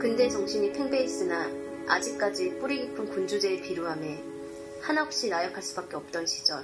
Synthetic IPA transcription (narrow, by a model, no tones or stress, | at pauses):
kɯnde̞t͡ɕʌŋɕʰiɲipʰeŋbe̞ːs͈ɯna | a̰d͡ʑik͈ad͡ʑip͈uɾiɡipʰɯnkund͡ʑud͡ʑe̞eɭpiɾjoɦame | hanʌp̚ɕ͈inajʌkʰaɭs͈ubak͈e̞ʌp̚t͈ʌnɕʰi̥d͡ʑʌn